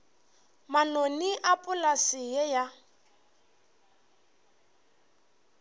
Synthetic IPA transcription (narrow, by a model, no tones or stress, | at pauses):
manoniʔapʼʊlasijɛja